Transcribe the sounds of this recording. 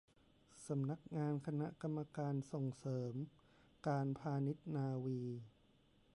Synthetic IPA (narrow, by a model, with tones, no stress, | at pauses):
sa˩˦mna˦˥k̚ŋaː˧nkʰa˧na˦˥ʔka˧mːa˧kaː˧nso˨˩ŋsɤː˩˦m | kaː˧npʰaː˧ni˦˥t̪̚naː˧wiː˧